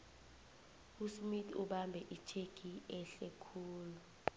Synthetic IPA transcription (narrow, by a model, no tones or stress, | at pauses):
usmitʰʼuɓambʱɛʔit͡ʃʰeɡ̥ʱiɛɬɛkʰuːlu